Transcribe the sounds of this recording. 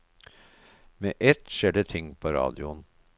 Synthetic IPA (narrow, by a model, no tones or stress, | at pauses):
meːʔɛt̪ʃeːɖət̪ʰɪŋːpʰoɾɑ̰ːd̪ɪʊn